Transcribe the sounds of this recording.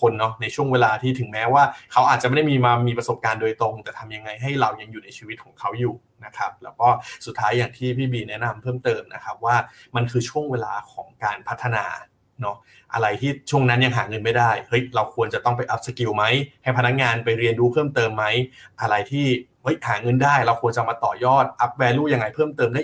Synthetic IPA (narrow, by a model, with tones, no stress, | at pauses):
kʰo˧nːɔ˦˥na˧jt͡ɕʰu˥˩əŋweː˧laː˧t̪ʰiː˥˩t̪ʰɯ˨˩˦ŋmɛː˦˥waː˥˩kʰa˦˥wʔaː˨˩t̪̚t͡ɕa˨˩ma˥˩da˥˩miː˧maː˧miː˧pɾa˧so˨˩p̚kaː˧ndoː˧jt̪ɾo˧ŋt̪ɛː˨˩t̪ʰa˧mja˧ŋːa˧jɦa˥˩jɾa˧wja˧ŋjuː˨˩na˧jt͡ɕʰiː˧wi˦˥kʰɔː˩˦ŋkʰa˦˥wjuː˨˩ | na˦˥kʰɾa˦˥p̚lɛː˦˥wkɔː˥˩su˨˩t̪ʰːaː˦˥jːaː˨˩ŋt̪ʰiː˥˩pʰiː˥˩biː˧nɛ˦˥na˧mpʰɤː˥˩mt̪ɤː˧mnʔa̰˦˥kʰa˦˥p̚waː˥˩ma˧nkʰɯː˧t͡ɕʰu˥˩əŋweː˧laː˧kʰɔː˩˦ŋkaː˧npʰa˦˥t̪ʰːa˧na̰ː˧ | nɔ˦˥ | ʔa̰˧ɾa˧jt̪ʰiː˥˩t͡ɕʰu˥˩əŋna˦˥nja˧ŋɦaː˩˦ŋɤ˧nma˥˩jdaː˥˩jhɤ˦˥jɾa˧wkʰu˧ənt͡ɕa˨˩t̪ɔ˥˩ŋp̬a˧jʔa˦˥p̚sa˧ki˧wma˦˥jha˥˩jpʰa˧na˦˥k̚ŋaː˧npa˧jɾi˧ənduː˦˥pʰɤː˥˩mt̪ɤː˧mːa˦˥jʔa˧ɾa˧jt̪ʰiː˥˩hɤ˦˥jhaː˩˦ŋɤ˧ndaː˥˩jɾa˧wkʰu˧ənt͡ɕa˨˧wmaː˧t̪ɔː˨˩jɔː˥˩t̪̚ʔa˦˥p̚wɛː˧luː˥˩ja˧ŋːa˧jpʰɤː˥˩mt̪ɤː˧mdaː˥˩